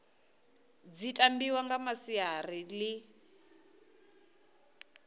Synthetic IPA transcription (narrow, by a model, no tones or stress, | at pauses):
d͡zitʼambiwaŋɡamasiarili